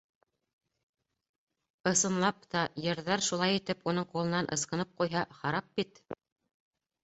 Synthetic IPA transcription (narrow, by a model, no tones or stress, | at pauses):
ɤ̆sɤ̆nlˠɑp̚t̪ɑjɤ̆ɾðɑɾʃulˠɑjit̪ɘpunɤɴqulˠɤ̆nɑnʔɤ̰̆sqɤ̆nɤp̚qujɦɑχɑɾɑp̚bit̪